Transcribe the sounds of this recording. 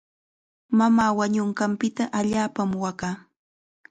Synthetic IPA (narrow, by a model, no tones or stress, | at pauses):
mamaːwaɲʊɴɢɑmpɪt̪aʔaʎaːpamwakaː